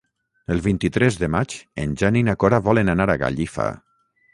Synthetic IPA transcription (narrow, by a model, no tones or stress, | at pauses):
elˠβint̪it̪ɾɛzðemat͡ʃḛnʲʒaninakoɾaβɔlenanaɾaɣa̰ʎifa̰